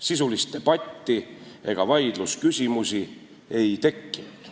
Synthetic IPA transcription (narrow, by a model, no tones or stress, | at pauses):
sisulist̪̚e̞b̥ɑt̪ʲˑːie̞ɡ̥ɑvɑjd̪̥luskysʲimusi | e̞jt̪e̞kːinud̪̥